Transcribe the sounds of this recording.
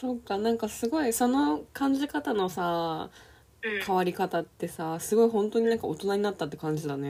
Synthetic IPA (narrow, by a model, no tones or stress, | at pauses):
so̞kːanãŋkasɨɡo̞iso̞no̞kãɲ̟d͡ʑikat̪ano̞sa | kʰaβaɾʲikat̪at̪ːe̞sasɨɡo̞iɦõ̞nt̪o̞ɲ̟inãŋkaot̪o̞naɲ̟inat̪ːat̪ːekãɲ̟d͡ʑid̪ane̞